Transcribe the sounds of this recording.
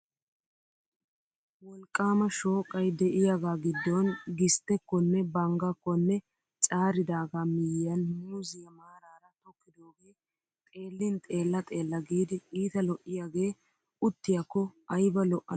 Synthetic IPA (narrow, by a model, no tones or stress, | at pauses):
wɔlkʼːaːmɐʃo̞ːkʼːɐjd̪ɛʔɪjaɡaːɡɪd̪ːɔnɡɪst̪ːɛkːɔnːɛbɐŋɡɐkːɔnːɛ | t͡ʃʼaːɾɪd̪aːɡamɪjjɐnhʊzɪjɐmaːɾaːɾɐt̪ɔkːɪd̪oːɡe̞ː | t̪ʼe̞ːlːɪnt̪ʼe̞ːlːɐt̪ʼe̞ːlːɐɡiːd̪ɪʔʼiːt̪ɐlɔʔɪjaːɡe̞ː | ʊt̪ːɪjɐkːɔɐjbɐlɔʔɐ